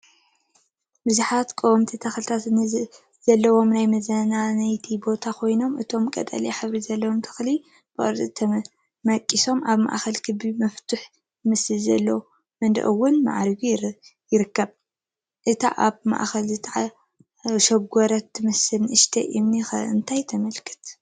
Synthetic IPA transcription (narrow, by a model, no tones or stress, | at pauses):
bɨzuħat̪kʼowmt̪ʰit̪ʰɐxɨlt̪ʰat̪ | zɐlːɐwo̞mnajmɐzɐnanajt̪ʰibo̞t̪ʰakʰo̞jno̞mʔɨt̪ʰo̞mkʼɐ̰t̪ʼɐ̰liħɨβɾizɐlːɐwomt̪ʰɨ̥xli | b̥ɨʔʼɨɾt̪ʼɨt̪ʰɐ | mɐkʼːiso̞mʔaβma̰ʔxɐlkʰɨbimɐft̪ʰʊħ | ɨmɨsɨlzɐlːɐw | mɨnd̪ɐ̰ʔɨwːʊnma̰ʕɾɡujɪɾɨkːɐβ | ʔɨt̪ʰa̰ʔaβma̰ʔxɐlzɨt̪ʰʼaʕa | ʃɐɡʷɔɾɐt̪ːɨmɨsɨlʔɨʃt̪ʰɐ̰ʔimnixɐ̰ɨnt̪ʰajt̪ʰɐmɐlkʰɨ̥t̪